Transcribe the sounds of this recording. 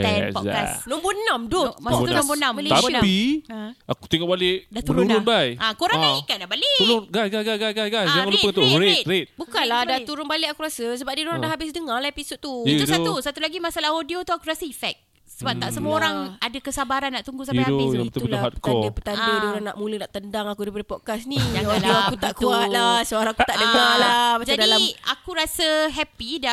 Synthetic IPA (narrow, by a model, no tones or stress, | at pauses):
ɛpɔa̰snɔmbunamdomat̪unɔbunãmt̪api | aku̥t̪iŋɔʔbalɪʔdab̪uəɾnuɾʊnbajakoɾãaikatdabaleulʊɡasɡajɡajɡajɡajsɡajsd͡ʒaŋãlupəut̪ʊʔɾet̪t̪ɾet̪̚bukanlahdat̪uɾʊnbalɪʔakuɾasəsəbap̚didoɾadahɦabɪsdəŋalaipisʊt̪uit̪udsausat̪ulaɡimasalahodiot̪uakuɾasəifɛk̚ | səbap̚t̪aʔsəməoɾaŋadakəsabaɾanːaʔt̪uŋɡusãmdadoãŋbət̪əlaɦat̪̚ək̪aɔndəpət̪andədioɾaŋna̰ʔmuləhnaʔt̪əndaŋakudipədəpɔd̚kasniaodioakut̪aʔkuat̪lasəoɾãakut̪aʔdəŋalabad͡ʒadalamakuɾasəɦɛpida